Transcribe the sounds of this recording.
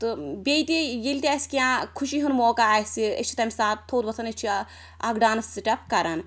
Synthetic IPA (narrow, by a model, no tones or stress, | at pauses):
t̪ɨbʲejt̪ʲijilʲt̪ʲaːsʲkʲiãːkʰuʃiɦunmoːkaːsiḛt͡ʃʰi̥t̪ɐmʲsaːt̪t̪ʰːoːt̪ʋɐt͡sʰɐnet͡ʃʰi | ɐɡɖaːnɐsɨʈʲɐpkɐɾɐn